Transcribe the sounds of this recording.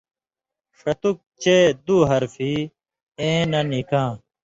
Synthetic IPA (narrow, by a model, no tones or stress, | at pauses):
ʂɐt̪uk̚t͡ɕed̪uːɦɐɾfiː | ẽːnɐnikãː